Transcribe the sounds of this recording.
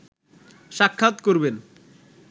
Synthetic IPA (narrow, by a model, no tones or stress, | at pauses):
ʃakʰːat̪koɾben